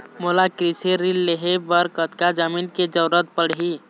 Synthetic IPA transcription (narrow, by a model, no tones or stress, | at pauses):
molakɾiseɾilːeɦebəɾkət̪kad͡ʒəminked͡ʒəɾət̪̚pəɽɦi